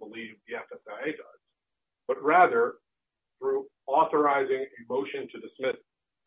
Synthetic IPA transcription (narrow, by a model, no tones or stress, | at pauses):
b̥əlivðiɛfɛsaɪeɪdʌz̥ | b̥ʌt̚ɹæðə˞ | θɹu | ɔθə˞aɪzɪ̃ŋɨmoʊʃɨ̃ntʰɨdɨsmɪs